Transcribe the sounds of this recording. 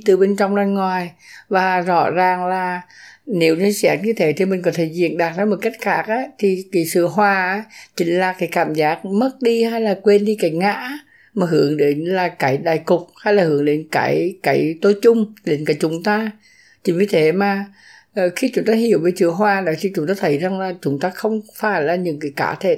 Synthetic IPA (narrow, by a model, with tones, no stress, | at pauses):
t̪ɨ˨˩ɓe˧nt͡ɕɔ˧wŋ͡mlaː˧nŋwaː˨˩jvaː˨˩zɔ̰˧˥zaː˨˩ŋlaː˨˩ne˨˦wne˧sɛ˨˦˥t̚ɲɨ˧t̪ʰe˨˦t̪ʰi˨˩mï˨˩ŋ̟kɔ˨˦t̪ʰe˧˩˦zḭ˧˨ənɗaː˨˩zaː˨˦mo˨˩t̚ka˦˥jk̟̚xaː˦˥k̚ʔaː˨˦t̪ʰi˨˩ki˨˦sɨ̰˧˨əɦwaː˧˩ʔa˨˦t͡ɕï˨˦ŋ̟laː˨˩kaː˨˦jkaː˧˩mzaː˦˥k̚mə˦˥t̚ɗi˧haː˧jlaː˨˩kwe˧nɗi˧kaː˨˦jŋa̰ː˧˥ | maː˨˩ɦɨ˨˩˦əŋɗe˨˦nlaː˨˩kaː˨˦jɗaː˨˩jkʊ˨˩k͡p̚haː˧jlaː˨˩hɨ˨˩˦əŋɗe˨˦nka̰ː˨˦jkaː˨˦jt̪o˧˦jt͡ɕʊ˧ŋ͡mɗe˨˦nkaː˨˦jt͡ɕʊ˨˦ŋ͡mt̪aː˧ | t͡ɕi˨˦ŋ̟vi˨˧˦t̪ʰe˨˦maː˨˩˨ | xi˧t͡ɕʊ˨˦ŋ͡mt̪aː˧ɦi˨˧˩əwve˨˩jsɨ̰˧˨əɦwaː˧˩ɗo˨˦jt̪ʰi˨˩t͡ɕʊ˨˦ŋ͡mt̪aː˧t̪ʰə˨˦jza˨˩ŋlaː˨˩t͡ɕʊ˨˦ŋ͡mt̪aː˧xə˧wŋ͡mfaː˧˩jlaː˨˩ɲɨ̰˧˥ŋkaː˨˦jka̰ː˧˦t̪ʰe˧˨